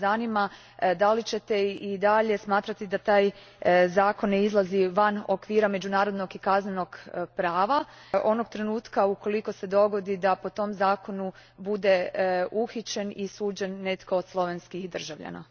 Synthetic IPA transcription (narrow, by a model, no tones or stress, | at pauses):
zanima | d̪alit͡ɕe̞t̪e̞id̪aʎe̞smaːt̪ɾat̪id̪at̪aːj | zaːko̞nːeizlˠaziʋanokʋiːɾame̞d͡ʒunaːɾo̞d̪no̞ɡikazneno̞ɡpɾaːʋa | o̞no̞ɡ̚t̪ɾe̞nuːt̪kauko̞liko̞se̞d̪o̞ɡo̞d̪id̪apo̞t̪o̞mzaːko̞nubud̪e̞uxit͡ɕe̞nisuːd͡ʒe̞nːe̞t̪ko̞ːd̪slˠo̞ʋenskixd̪r̩ʒaʋʎa̰na̰